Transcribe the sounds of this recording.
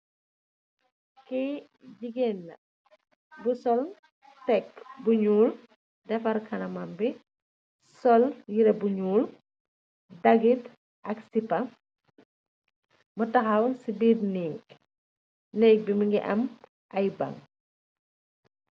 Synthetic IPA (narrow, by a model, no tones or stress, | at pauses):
kɛ | ɟiɡɛnːɐ | busɔl | tɛkbuɲuːl | dɛfɐɾkʰɐnɐmɐmbi | sɔljiɾɐbuɲuːl | dɐɡit | ʔɐksipɐ | mutɐxɐwsibiːrniːk | nɛːk̚bimuŋɡiʔɐm | ʔɐjbɐ̰ŋ